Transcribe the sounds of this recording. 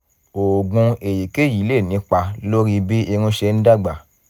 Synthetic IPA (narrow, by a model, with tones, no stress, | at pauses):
o˨ɡũ˧e˨ji˨ke˦˨ji˨˦le˦˨nĩ˨˦k͡pa˧lo˦ɾi˧bi˦ĩ˧ũ˧˦ʃɛ˧n̩˦da˦˨ɡ͡ba˨